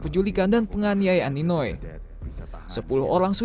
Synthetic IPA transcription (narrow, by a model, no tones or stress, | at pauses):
pəd͡ʒulikandanpəŋaniajaanːinoe | səpulʊhʔoɾaŋsu